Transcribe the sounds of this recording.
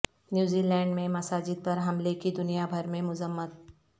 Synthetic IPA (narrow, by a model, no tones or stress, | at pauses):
njuːzilɛ̃ːɳɖmẽmɐsaːd͡ʒɪd̪̚pɐɾɦɐmlekid̪ʊnijabʱɐɾmẽmʊzəmːət̪̚